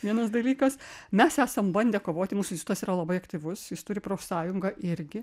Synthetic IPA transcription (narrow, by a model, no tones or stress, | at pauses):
ʋʲiɛnɐsd̪ɐlʲiːkɐsmʲɛsæːsɐmbɐnʲd̪ʲeːkoːʋoːt̪ʲɪmuːsʊɪsʲʊt̪ɐsiːɾɐlˠɐbɐɪɐkt̪ʲiːʋʊsjɪst̪ʊɾʲɪpɾoːfsɑːjʊŋɡɐʔɪɾʲɡʲɪ